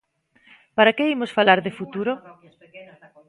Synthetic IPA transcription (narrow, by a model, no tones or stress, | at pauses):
paɾakeimosfalaɾðɪfut̪uɾo